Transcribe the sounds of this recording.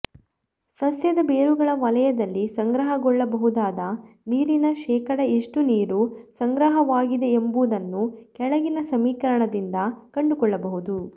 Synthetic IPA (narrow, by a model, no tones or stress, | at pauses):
sɐsjɐd̪ɐbeːɾuɡɐɭɐʋɐlɐjɐd̪ɐlːisɐŋɡɾɐɦɐɡɔɭːɐbɐɦud̪aːd̪ɐ | niːɾinɐʃɛːkɐɽɐiʂʈuniːɾusɐŋɡɾɐɦɐʋaːɡid̪e̞embud̪ɐnːukɛɭɐɡinɐsɐmiːkɐɾɐɳɐd̪ind̪ɐkɐɳɖukɔɭːɐbɐɦud̪u